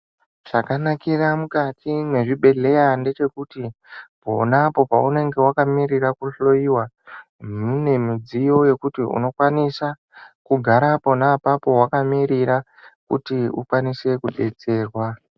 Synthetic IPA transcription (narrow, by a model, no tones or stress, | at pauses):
ʐ̥akanakiramukatʰine̞ʐiɓe̞ɮe̞jande̞t͡ʃe̞kuti | po̞̰napo̞paune̞ŋɡe̞wakamiɾirakuɬo̞jiwa | mine̞mid͡zijo̞je̞kutiṵno̞kwanisa | kuɡʱaɾapo̞napapo̞wakamiɾiɾa | kṵtiṵkwanise̞kuɓe̞t͡se̞ːrwa